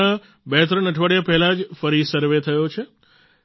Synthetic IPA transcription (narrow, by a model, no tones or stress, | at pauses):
a | bɛɦt̪ɾənəʈʰʋaɽjapɛɦɛlad͡ʒfəɾisəɾʋet̪ʰəjot͡ʃʰe